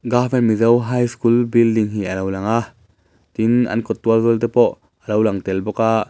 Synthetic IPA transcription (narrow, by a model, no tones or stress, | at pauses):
ɡaːfɛnmizɐwɦajskulbildiŋɦialowlaŋa | t̪inʔɐ̰nkɔt̪ːuɐlzɔlt̪ɛpɔʔ | ʔəlowlaŋt̪ɛlbɔkaʔ